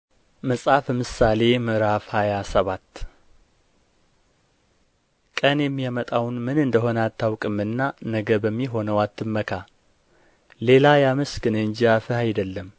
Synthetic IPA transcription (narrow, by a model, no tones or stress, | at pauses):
məsʼafəmɨsale̞mɨɾafhajasəβat̪ː | kʼənjɛmːijamət̪ʼawnmɨnɨnd̪əɦo̞nat̪ʰːawkʼɨmːɨnːanəɡəbəmːiɦo̞nəwat̪ʰːɨmːəkʰa | le̞lajaməsɡɨnəɨɲd͡ʒiafəhajd̪əlːəm